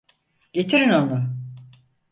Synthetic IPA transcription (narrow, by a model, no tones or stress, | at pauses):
ɟet̪ʰiɾino̞nʊ